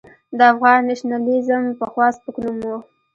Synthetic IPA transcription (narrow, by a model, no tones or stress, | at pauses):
d̪əafɣɑnːaʃnalizəmpəxwɑspəknumo